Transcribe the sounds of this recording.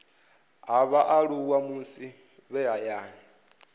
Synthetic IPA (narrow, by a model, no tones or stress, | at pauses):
ɦaβaʔaɺuwamusi | βɛajaːni